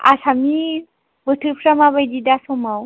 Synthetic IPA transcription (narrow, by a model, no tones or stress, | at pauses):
a̰sʰami | bəʈʰɯɾpʰɾamabajdid̪asomaw